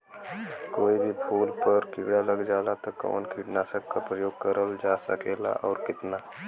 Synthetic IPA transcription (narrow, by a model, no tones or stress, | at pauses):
koːibʱipʰuːlpəɾkɪɡɽaləɡd͡ʒaːlat̪okɔ̰ːnkiʈnaːsəkkapɾəjoːɡkəɾəld͡ʒaːsəkeːla̰ʔɔːɾkɪt̪naː